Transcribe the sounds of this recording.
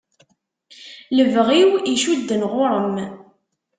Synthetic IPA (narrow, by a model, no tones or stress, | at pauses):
ləvʁiwiʃud̪ːənʁʊɾˤəm